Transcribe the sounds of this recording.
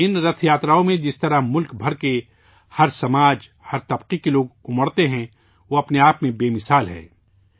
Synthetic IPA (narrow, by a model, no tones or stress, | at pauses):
ɪnɾɐt̪ʰjaːt̪ɾaːõmẽd͡ʒɪst̪ɐɾaɦmʊlkbʱɐɾke | hɐɾsɐmaːd͡ʒ | hɐɾt̪ɐbqikeloːɡʊməɽt̪eɦɛ̃ | ʋoɐpneaːpmẽbeːmɪsaːlɦɛ̰̃ː